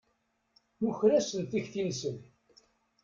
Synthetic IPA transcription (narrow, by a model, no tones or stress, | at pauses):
muçɾæsənθiçθinsən